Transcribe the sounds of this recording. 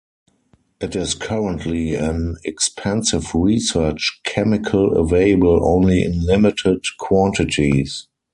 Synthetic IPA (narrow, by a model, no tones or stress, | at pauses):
ʔɪtɪskʰaɹə̃ntʰliæ̃nɛkspʰɛ̃nsɪvɹisɜ˞t͡ʃkʰɛmɪkʰələ̰veɪləbəlʔõ̰ʊ̃nliɪ̰̃nlɪmɪtʰɪdkʰwɔ̃ntɪtʰis